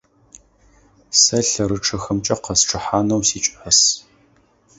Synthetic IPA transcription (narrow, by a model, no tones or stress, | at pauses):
sɐɬɐɾɨʈ͡ʂʰɐxɐmt͡ʃʼɐqɐsʈ͡ʂʰʼɨħaːnɐwsiːt͡ʃʷʼħɐs